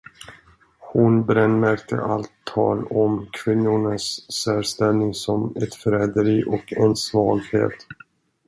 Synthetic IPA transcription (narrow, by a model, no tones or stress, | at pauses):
hʊnbɾɛnːmæɾk̚t̪ʰə̰ʔalt̪ʰːɑ̰ːlɔmkʰv̥ɪnːʊɳasːɛlst̪ɛlnɪŋsɔmɛt̪fɾɛd̪əɾiːʔɔkɛnsvɑːɡhḛːt̪